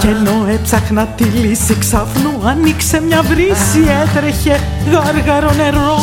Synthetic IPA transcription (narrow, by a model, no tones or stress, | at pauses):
celoet͡saknat̪ilisiksafnuaniksemɲavɾisiɛt̪ɾeçe | ɣaɾɣaɾoneɾːo